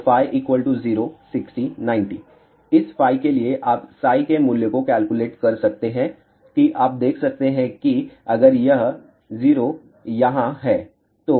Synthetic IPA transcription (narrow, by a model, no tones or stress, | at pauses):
faːjʔiːkʋəlʈuziːɾosɪksʈinãːɪ̃ɳʈiː | ɪsfaːikelieʔaːpsaːikemuːljekokɛːlkuleːʈkɐɾsɐk̚t̪eɦɛ̃ | kiʔaːp̚d̪eːkʰsɐk̚t̪eɦɛ̃kiɐɡəɾjɐɦ | ziːɾo | jɐɦãɦɛː | t̪oː